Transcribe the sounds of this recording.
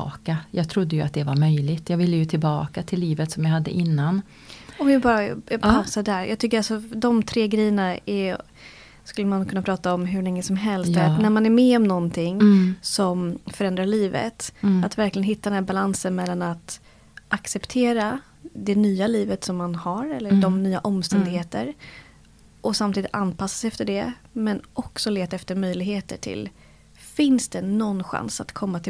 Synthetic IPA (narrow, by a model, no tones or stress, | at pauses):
kajɑːɡ̚t̪ʰɾʊd̪ːəjɵat̪̚d̪ɛvaɾmœjlɪt̪ʰjɑːɡvɪlːəjɵt̪ʰɪlbɑ̰ːkat̪ʰɪlːiːvət̪sɔmjaɦad̪ːə̰ʔɪnːan | ɔɪbɑːɾapʰasad̪æɾjʔɑːɡ̚t̪ʏkːəɾalsɔd̪ɔmt̪ʰɾeːɡɾɛjːəɳaɛ | skɵlːəmankʰɵnːapʰɾɑːt̪aɔmɦɵɭɛŋːəsɔmɦɛlst̪næɾmanæɾmɛɔmnɔnt̪ʰɪŋsɔmfœɾɛnd̪ɾaɭiːvə̰t̪at̪væɾklɪɡənɦɪt̪ːad̪ɛnæːbalansənmɛlːanat̪ | ʔaksɛpt̪ʰeːɾa | d̪ɛnyːaliːvət̪sɔmːanhaɾɛlːəɖɔmnyːaʔɔmst̪ɛnd̪ɪɡheːt̪ə̰ɾ | ʔɔsamt̪iːd̪ɪt̪anːpasːḁsɛft̪əɖɛmɛnʔɔksɔleːt̪aɛft̪əɾmœjlɪɡheːt̪ə̰ʈʰɪ̰l | fɪnsd̪ɛnɔnːɧa̰nsat̪kʰɔmːat̪ʰɪ